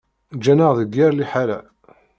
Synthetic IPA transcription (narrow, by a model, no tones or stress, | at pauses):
d͡ʒænəʁðəɡːɪɾliħalæ̰